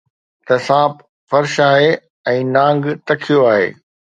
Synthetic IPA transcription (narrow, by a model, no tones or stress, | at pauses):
t̪ɐsãːp | fɐɾʃaːɦe | ɛ̃ːnãːŋɡt̪ɐkʰijoaːɦḛː